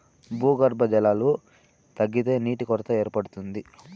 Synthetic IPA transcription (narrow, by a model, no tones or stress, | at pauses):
buːɡɐɾbɐd͡ʒɛlaːlu | t̪ɐɡːit̪e̞ːniːʈikɔɾɐt̪ɐe̞ːɾpɐɽut̪und̪i